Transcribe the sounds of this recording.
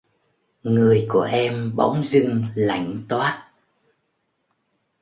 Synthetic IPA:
ŋɨ˨˩əjku˧˩əʔɛ˧mɓa̰˧˦wŋ͡mzɨ˧ŋla̰˧˩jŋ̟t̪waː˦˥t̚

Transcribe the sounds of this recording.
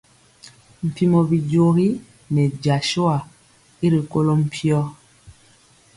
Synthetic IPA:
m̩˨pi˨mɔ˨bi˨d͡ʒo˨ɣi˦ | nɛ˨d͡ʒa˨ʃo˦a˨ | i˦ɾi˨ko˦lo˦m̩˨pʰi˦ɔ˦

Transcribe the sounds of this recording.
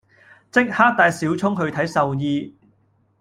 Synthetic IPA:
t͡sɪ˥k̚haː˥k̚t̪aː˨˧jsiː˨˥wt͡sʰʊ˥ŋɦɵ˧ɥt̪ʰɐ˨˥jsɐ˨wjiː˧

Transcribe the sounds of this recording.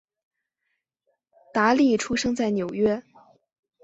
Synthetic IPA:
t̪a˧˥li˥˩ʈ͡ʂʰu˥ʂɤ˥ŋt͡sa˥˩ɪnjo˨˩ʊɥɛ˥

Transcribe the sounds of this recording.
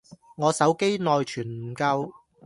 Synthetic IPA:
ŋɔː˨˧sɐ˨˥wke˥jnɔː˨jt͡ʃʰyː˨˩nm̩˨˩kɐ˧w

